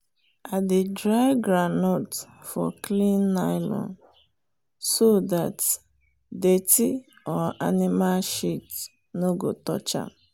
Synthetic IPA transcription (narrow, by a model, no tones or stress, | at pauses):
adedɾaɪɡɾanotfɔklĩnːaɪlɔ̰̃n | sodat | deti | ɔa̰nimalʃit | noɡotɔ̰t͡ʃa̰